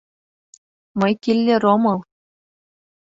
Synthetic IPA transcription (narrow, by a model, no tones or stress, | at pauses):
mɤ̆jkʲilʲːeromɤ̆lˠ